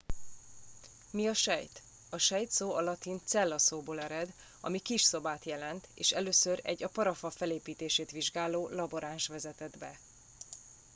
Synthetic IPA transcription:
miɒʃɛjt̪ | ɒʃɛjt̪soːɒlɒt̪int̪sɛlːɒsoːboːlɛɾɛd̪ | ɒ̰mikiʃso̞baːt̪jɛlɛnt̪eːʃɛløːsøɾɛ̰ɟːɒpɒɾɒfɒfɛleːpiːt̪eːʃeːt̪ʋiʒɡaːloːlɒbo̞ɾaːnʃʋɛzɛt̪ɛd̪bɛ

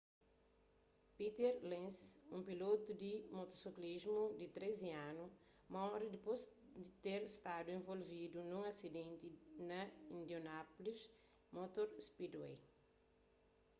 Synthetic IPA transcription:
pit̪eɾlẽnsũmpilot̪ud̪imot̪osiklizmud̪it̪ɾeziãnu | mɐɔɾid̪ipozd̪it̪eɾist̪ad̪uẽvolvid̪unũŋasid̪ẽnt̪inɐĩnd̪jonapolis | mot̪oɾspid̪wej

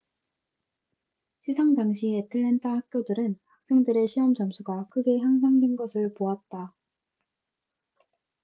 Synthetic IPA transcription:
ɕʰisʰaŋdaŋɕ̬ʰietʰɯɭːentʰahak̚k͈jodɯɾɯnhak̚s͈e̞ŋdɯɾe̞ɕʰiɦʌmt͡ɕʌamsʰuɡakʰɯɡe̞çjaŋs̬ʰaŋdwenɡʌsʰɯɭpoat̚t͈a

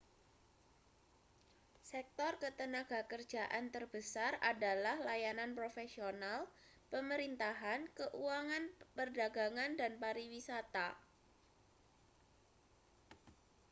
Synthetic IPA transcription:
sɛk̚t̪ɔrkət̪ənaɡ̥a̤kər̥d͡ʒaʔant̪ərb̥əsaradalahlajananpɾofesional | pəməɾint̪aɦankəʔuaŋanpərdaɡaŋandanpaɾiwisat̪a

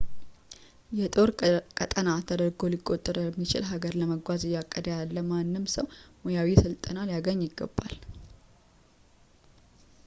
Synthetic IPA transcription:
jɛt̪ʼo̞ɾkʼət̪ʼənat̪ʰəd̪əɾɡo̞likʼːo̞t̪ʼːɨɾmːit͡ʃɪ̰lɦaɡəɾləməɡʷazɨjːakʼːəd̪əjalːəmanːɨmsəwmojawisəlt̪ʼənaljaɡəɲːɪɡːə̰bːal

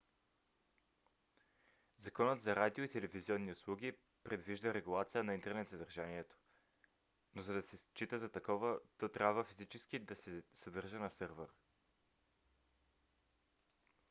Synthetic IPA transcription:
zɐkɔnət̪zɐɾad̪ioit̪ɛlɛviziɔnːiʊslˠuɡ̟ʲi | pɾɛd̪viʒd̪əɾɛɡulˠat̪sijənɐint̪ɛɾnɛt̪zɐd̪ɐɾʒaniɛt̪o̥ | nozɐd̪ɐsɛst͡ʃit̪əzɐt̪ɐkɔvət̪ɔt̪ɾʲabvəfizit͡ʃɛskid̪ɐsɛsɐd̪ɤɾʒənɐsɤɾvɛɾ

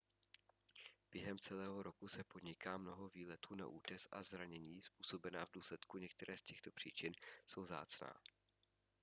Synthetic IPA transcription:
b̥jɛɦɛmt͡sɛlɛːɦo̞ɾo̞kusɛpodɲɪkaːmno̞ɦo̞viːlɛt̪uːna̰ʔuːc̪ɛsʔa̰zɾaɲɛɲiːspuːso̞bɛnaːvduːslɛt̪kuɲɛk̚t̪ɛɾɛːscɛxt̪o̞pr̝̥iːt͡ʃɪnso̞wvza̰ːt͡sna̰ː

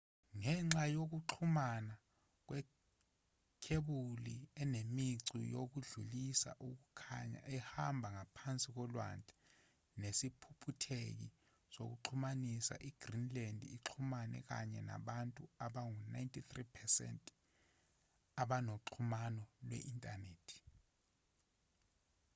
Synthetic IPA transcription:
ŋɛŋ͡ǁajok̬uǃʰumana | k̬wɛ | kʰeɓuliɛnemiǀḭjok̬uɮulisa̰ʔuk̬ukʰaɲa̰ɛhambʱaŋapʰant͡sʼik̬ɔlwa̰ntʼɛ̥ | nesipʰupʰutʰek̬i | so̰k̬uǁʰumanisa̰ʔiɡ̥rinlandʱiiǁʰumanɛ̰k̬a̰ɲɛna̰ɓantʼuaɓaŋuna̰jntʰʼit̪ripʰɛsɛ̰ntʼ | aɓanoǁʰumanɔlwɛ̰ʔintʼaneːtʰi̥

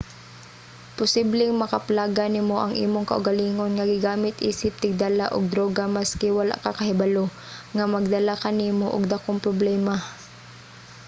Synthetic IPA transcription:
pʊsiblɪŋmɐkɐplaːɡanɪmoʔɐŋʔḭːmoŋkɐ̰ʔʊɡɐliːŋonŋɐɡɪɡaːmɪt̪ʔiːsɪp̚t̪ɪɡ̚d̪alaʔʊɡ̚d̪ɾoːɡamaskɪwala̰ʔkakɐhɪbalo | ŋamɐɡ̚d̪ɐlakɐniːmoʔʊ̰ɡ̚d̪akoŋpɾoblɛːma

